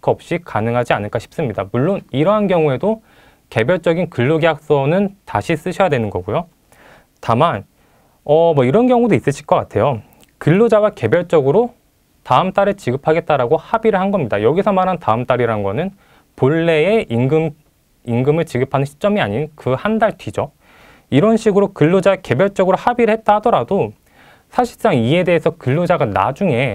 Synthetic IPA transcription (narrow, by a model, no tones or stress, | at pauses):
kʰʌp̚ɕ͈ikanɯŋɦad͡ʑianɯɭk͈aɕʰi̥p̚s͈ɯmɲidamuɭːoniɾʌɦanɡjʌŋue̞do | ke̞bjʌɭt͡ɕ͈ʌɡinkɯɭːoɡiɦak̚s͈ʌnɯntaɕʰis͈ɯɕʰʌjadwe̞nɯnɡʌɡujo | taman | ʌmʌiɾʌnɡjʌŋudois͈ɯɕʰiɭk͈ʌk͈atʰe̞jo | kɯɭːod͡ʑawake̞bjʌɭt͡ɕ͈ʌɡɯɾo | taɯmt͈aɾet͡ɕiɡɯpʰaɡe̞t̚t͈aɾaɡohabiɾɯɭhanɡʌmɲidajʌɡisʰʌmaɾɦantaɯmt͈aɾiɾanɡʌnɯn | poɭːe̞eɡɯm | iŋɡɯmɯɭt͡ɕiɡɯpʰanɯnɕʰi̥t͡ɕ͈ʌmiaɲinkɯhandaɭtɥid͡ʑo | iɾʌnɕʰiɡɯɾokɯɭːod͡ʑaeke̞bjʌɭt͡ɕ͈ʌɡɯɾohabiɾɯɭhe̞t̚t͈ahadʌɾado | sʰaɕʰiɭs͈aŋie̞de̞esʰʌkɯɭːod͡ʑaɡana̰d͡ʑuŋe̞